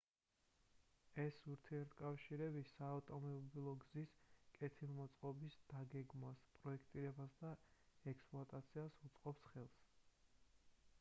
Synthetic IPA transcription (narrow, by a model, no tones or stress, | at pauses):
ɛsuɾt̪ʰiɛɾt̪ʰkʼafʃiɾɛbisaːt̪ʼɔmɔbilˠɔɡziskʼɛt̪ʰilˠmɔt̪sʼqʼɔbisd̪̥aɡɛɡmaspʼɾɔɛkʰt̪ʼiɾɛbasd̪aɛkspʼlˠɔat̪ʼat̪sʰiasut̪sʼqʼɔpsχɛlˠs